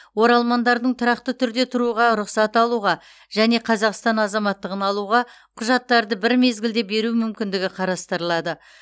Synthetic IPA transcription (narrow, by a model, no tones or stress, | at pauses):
wo̞ɾɑlˠmɑnd̪ɑɾd̪əɴt̪ʰʊɾɑq̚t̪ət̪ʰʏɾd̪e̞t̪ʰʊɾuʁɑɾʊqsɑt̪ɑlˠuʁɑ | ʒ̥æne̞qʰɑzɑqst̪ɑnɑzɑmɑt̪ːəʁənɑlˠuʁɑ | qʰʊʒɑt̪ːɑɾd̪əbɪɾme̞zɡʲɪld̪e̞be̞ɾuɪmʏmkʲɪnd̪ɪɡʲɪqʰɑɾɑst̪əɾəlˠɑd̪ə